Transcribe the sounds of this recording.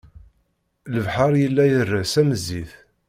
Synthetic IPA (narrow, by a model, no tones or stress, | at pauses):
ləvħɑɾˤjəlːæjərːəsæməzːiθ